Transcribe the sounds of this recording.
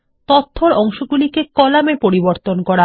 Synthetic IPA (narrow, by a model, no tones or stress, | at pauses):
t̪ot̪ʰːoɾɔŋʃoɡulikekɔlamepoɾiboɾt̪onkɔɾa